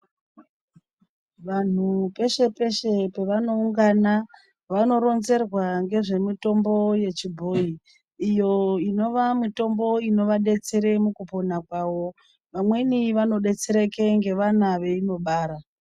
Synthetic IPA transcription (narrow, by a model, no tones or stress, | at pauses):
ʋan̤upe̞ʃe̞pe̞ʃe̞pe̞ʋano̞uŋɡana | ʋano̞ɾo̞nze̞rwaŋɡe̞ʐe̞mito̞mbo̞je̞t͡ʃibʱo̞iː | jo̞ino̞ʋamito̞mbo̞ino̞ʋaɗe̞t͡se̞ɾe̞mukupo̞nakwaːʋo̞ | ʋamwe̞niʋano̞ɗe̞t͡se̞ɾeke̞ŋɡe̞ʋanaʋe̞ino̞ɓaːɾa